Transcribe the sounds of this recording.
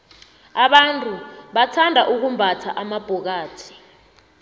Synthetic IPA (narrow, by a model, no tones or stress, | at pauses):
aɓantʼuɓatʰandʱaʔuk̬umbʱatʰaʔamab̥ʱɔk̬aːtʰi̥